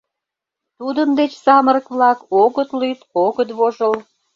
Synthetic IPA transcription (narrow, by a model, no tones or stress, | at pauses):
t̪ud̪ənd̪et͡ɕsɑməɾəkβlɑkoɣət̪lyt̪oɣət̪βoʒəl